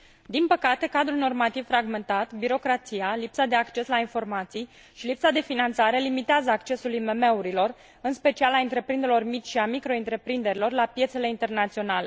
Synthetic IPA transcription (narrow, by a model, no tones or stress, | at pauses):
d̪inpəkat̪e̞kad̪ɾulno̞rmat̪ivfɾaɡme̞nt̪at̪biɾo̞kɾat̪sijalipsad̪e̞akt͡ʃe̞slainfo̞rmat̪sij | ʃilipsad̪e̞finant̪saɾe̞limit̪eazəakt͡ʃe̞sulime̞me̞uɾilo̞r | ɨnspe̞t͡ʃialaɨnt̪ɾe̞pɾind̪eɾelo̞rmit͡ʃʲʃiamikɾo̞int̪ɾe̞pɾind̪e̞ɾilo̞rlapje̞t̪se̞le̞int̪e̞rnat̪sio̞nale̞